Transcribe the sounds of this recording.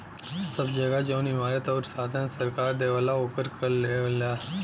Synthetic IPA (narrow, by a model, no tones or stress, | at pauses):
səbd͡ʒəɡad͡ʒoʊnɦɪmaːɾet̪ɔːɾsaːd̪ʰãnsəɾkaːɾd̪eːʋalaopəɾkɐɾleːʋla